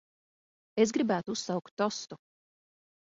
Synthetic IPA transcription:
es̬ɡɾibæːt̪uussawkt̪ːɔst̪u

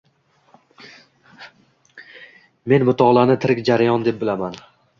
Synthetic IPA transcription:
me̞nmʊt̪ʰɒʁlˠanɪt̪ʰɪɾɪkʲd͡ʒaɾajɒnd̪e̞p̚bɪlaman

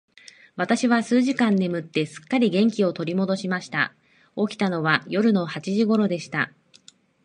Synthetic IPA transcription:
β̞at̪aɕiβasɨːʑikãnːe̞mɯ̟t̪ːe̞sɨ̥kːaɾʲiɡẽ̞ŋkʲio̞t̪o̞ɾʲimo̞d̪o̞ɕimaɕi̥t̪a̰ | o̞kʲi̥t̪ano̞βajo̞ɾɯ̟no̞hat͡ɕiʑiɡo̞ɾo̞d̪e̞ɕi̥t̪a̰

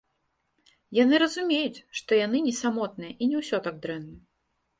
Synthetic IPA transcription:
janɨɾɐzumʲejut͡sʲʂt̪ɔjan̪ɨnʲɛsamɔt̪nɨjɐʔinʲɛwsʲɔt̪aɡ̚d̪ɾɛnːɐ

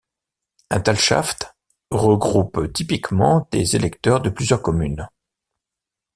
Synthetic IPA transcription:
ɛ̃t̪alʃa̰ft̪ | ʁəɡʁupt̪ipikmɑ̃d̪ḛzelɛkt̪œʁd̪əplyzjœʁkɔmyn

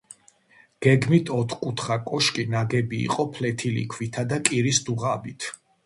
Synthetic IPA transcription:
ɡ̥ɛɡmit̪ʰɔt̪ʰkʼut̪ʰχakʼɔʃkʼinaɡɛbḭːqʼɔpʰlɛt̪ʰilḭkʰvit̪ʰad̪akʼiɾisd̪uʁabit̪ʰ

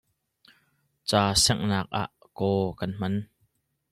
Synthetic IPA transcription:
t͡saːsɛŋnaːk̚ʔa̰ʔ | kɔːkɐnm̥ɐn

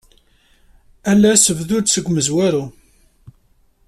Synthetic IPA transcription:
ælːæsəvðʊɾsəɡʷməzwæɾu

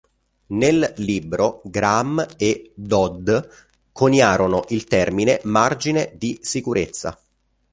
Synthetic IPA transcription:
nelːiːbɾoɡɾamed̪ɔd̪ | kʰonjaːɾonoʔilt̪ɛrminemard͡ʒined̪isikuɾʔet̪sːa̰

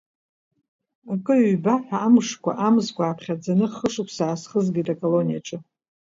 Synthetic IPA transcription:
akʼɨɥbaħʷᶣaːmʂkʷʰa̰ʔamzkʷʰʼaːpʰχʲad͡zanɨχəʂʼɨpʰsaːsχəzɡʲitʼakʼolo̞nija̰ʈ͡ʂʼɨ

